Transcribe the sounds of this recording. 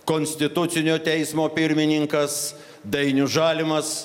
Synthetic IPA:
koːnʲsʲt̪ʲɪt̪ʊt̪sʲɪnʲoːt̪ʲɛɪsmoːpʲɪɾʲmʲɪnʲɪŋkɐs | d̪ɐɪnʲʊʒɑːlʲɪmɐs

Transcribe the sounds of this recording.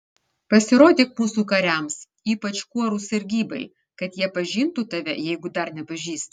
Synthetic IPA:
pɐsʲɪɾoːd̪ʲeːkmuːsuːkɐɾʲɛms | iːpɐt͡ʃkuɔɾuːsʲɐɾʲɡʲiːbɐɪ | kɐt̪jiɛpɐʒʲint̪ut̪ɐʋʲɛjɛɪɡʊd̪ɐɾnʲɛpɐʒʲiːst̪

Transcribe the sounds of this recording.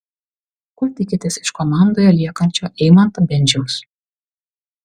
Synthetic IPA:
kut̪ʲɪkʲɪt̪ʲɪsɪ̥ʃkɔmɑˑnd̪oːjɛlʲiɛkɐnʲt͡ʃʲoːʔɛɪmɐnt̪ɐbʲɛnʲd͡ʒʲɛʊs

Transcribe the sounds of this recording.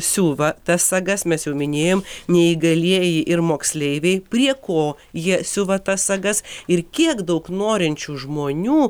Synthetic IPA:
sʲuːʋɐt̪ɐsːɐɡɐsmʲɛsjɛʊmʲɪnʲeːjoːmnʲɛiːɡɐlʲiɛjɪʔɪrmoːksʲlʲɛɪʋʲɛɪpʲrʲiɛkoː | jiɛsʲʊʋɐt̪ɐssɐɡɐsɪrkʲiɛkd̪ɐʊknoːɾʲɪnʲt͡ʃʲuːʒmoːnʲuː

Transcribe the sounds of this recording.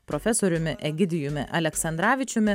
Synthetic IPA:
pɾofʲɛsoːɾʲʊmʲɪʔɛɡʲɪd̪ʲɪjʊmʲɪ̰ʔɐlʲɛksɐnd̪ɾɑːʋʲɪt͡ʃʲʊmʲɪ

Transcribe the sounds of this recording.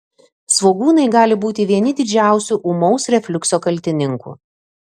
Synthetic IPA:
sʋoːɡuːnɐɪɡɑːlʲɪbuːt̪ʲɪʋʲiɛnʲɪd̪ʲɪd͡ʒʲæˑʊsʲuʔʊmɔʊsɾʲɛfʲlʲʊksoːkɐlʲt̪ʲɪnʲɪŋkṵː

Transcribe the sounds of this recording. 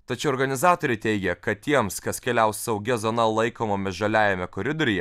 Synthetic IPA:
t̪ɐt͡ʃʲɛʊɔɾɡɐnʲɪzɑːt̪oːɾʲɛɪt̪ʲɛɪɡʲɛkɐt̪t̪ʲiɛmskɐskʲɛlʲæˑʊssɐʊɡʲɛzoːnɐlˠɐɪkoːmomʲɛʒɐlʲæːjɛmʲɛkoɾʲɪd̪oɾʲɪjɛ

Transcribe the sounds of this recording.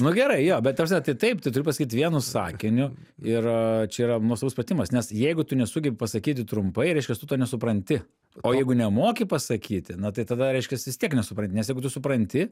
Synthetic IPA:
nʊɡʲɛɾɐɪjoːbʲɛt̪t̪ɐprsʲɛt̪ɐɪt̪ɐɪpt̪ɐɪt̪ʊɾʲɪpɐsɐkʲiːt̪ʋʲiɛnʊsɑ̰ːkʲɪnʲʊ | ɪrt͡ʃʲɛiːɾɐnuɔsˠɐʋusprɐt̪ʲɪmɐsnʲɛsjɛɪɡʊt̪ʊnʲɛsʊɡʲɛbʲɪpɐsɐkʲiːt̪ʲɪt̪ɾʊmpɐɪɾʲɛˑɪʃkʲɛst̪ʊt̪oːnʲɛsʊpɾɐnʲt̪ʲɪ | oːjɛɪɡʊnʲɛmoːkʲɪpɐsɐkʲʰiːt̪ʲɪnɐt̪ɐɪt̪ɐd̪ɐɾʲɛɪʃʲkʲɛsʋʲɪst̪ʲiɛknʲɛsʊpɾɐnʲtʲɪnʲɛsjɛɪɡʊt̪ʊsʊpɾɐnʲt̪ʲɪ

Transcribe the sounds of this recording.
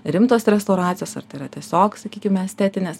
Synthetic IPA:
ɾʲɪmt̪oːsɾʲɛst̪oʊɾɑːt͡s̪ʲsʲɪjoːsɐ̰rt̪ɐɪiɾɐt̪ʲiɛsʲoːksɐkʲiːkʲɪmʲɛsʲt̪ʲɛt̪ʲɪnʲeːs

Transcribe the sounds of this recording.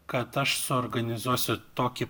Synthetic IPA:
kɐt̪ɐʃsʊɔɾɡɐnʲɪzuɔsʲʊt̪oːkʲɪ

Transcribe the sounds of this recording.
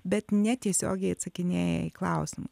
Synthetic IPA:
bʲɛt̪nʲɛt̪ʲiɛsʲo̰ːɡʲɛɪɐt̪sɐkʲɪnʲeːjɛ̰iklˠɑʊsʲɪmʊ

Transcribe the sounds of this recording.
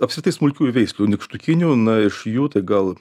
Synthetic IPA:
ɐpsʲkɾʲɪt̪ɐɪsmʊlʲkʲuːjʊʋʲɛɪsʲlʲuːnʲɪkʃt̪ʊkʲɪnʲuːnɐɪʃjuːt̪ɐɪɡɐlˠ

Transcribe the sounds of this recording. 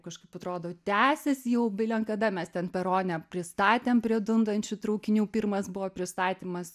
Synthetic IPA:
kɐʃkɐɪpɐt̪ɾoːd̪oːt̪ʲæːsʲɛssjɛʊbʲɪlʲɛŋkɐd̪ɐmʲɛst̪ʲɛnpʲɛɾoːnʲɛpʲɾʲɪst̪ɑːt̪ʲeːmpʲɾʲiɛd̪ʊnd̪ɐnʲt͡ʃʲʊt̪ɾɐʊkʲɪnʲuːpʲiːrmɐsbʊʋoːpʲɾʲɪst̪ɑːt̪ʲiːmɐs

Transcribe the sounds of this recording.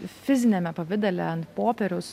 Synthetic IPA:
fʲɪzʲɪnʲɛmʲɛpɐʋʲɪd̪ʲɛlʲɛɐnt̪poːpʲɛɾʲʊs

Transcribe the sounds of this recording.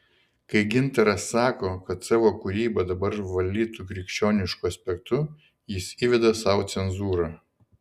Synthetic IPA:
kɐɪɡʲɪnt̪ɐɾɐsɑːkoːkɐt̪sɑːʋoːkʊɾʲiːbɐd̪ɐbɐɾʋɐlʲd̪ʲiːt̪ukɾʲɪkʃʲt͡ʃʲoːnʲɪʃkʊɐsʲpʲɛk̚t̪ʊ | jɪsiːʋʲɛd̪ɐsɑːʊt̪sʲɛnzuːɾɑː

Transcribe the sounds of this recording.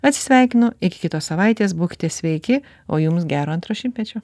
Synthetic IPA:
ɐt̪sʲɪ̥sʲʋʲɛɪkʲɪnʊɪkʲɪ̥kʲɪt̪oːssɐʋɐɪt̪ʲeːsbuːkʲɪ̥t̪ʲɛsʲʋʲɛɪkʲɪ | o̰ːjʊmsɡʲæːɾoːɐnt̪ɾoːʃʲɪmpʲɛt͡ʃʲo

